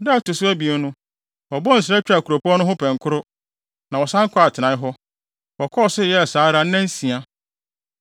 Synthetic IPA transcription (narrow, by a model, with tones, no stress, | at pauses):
da˦a˦˨tʊ˨sʊ˦æ˦bi˨e˨˦nʊ̃˦ | ɔ˨bɔ̃˦n̩˨s̬ɾɛ˦t͡ɕᶣa˨kʰu˨ɾo˨pʰu˦ɔ˦nʊ̃˦ɦʊ̃˦pʰɛ̃˨ŋ˨kʰʊ˦ɾʊ˦ | nã˨wɔ˨sã˦ŋ˦kʰɔ˦a˨tʰɪ˨nã˨˦ɦɔ˦ | wɔ˨kʰɔ˦ɔ˨sɪ˦jɛ˦a˨saː˨˦ɾa˦n̩˦nã˦n̩˦sĩ˨a˨